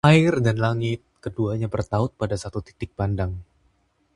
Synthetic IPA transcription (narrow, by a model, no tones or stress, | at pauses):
aɪrdanlaŋɪt̪̚kəduaɲabərt̪aʊt̪̚padasat̪ut̪i̥t̪ɪk̚pandaŋ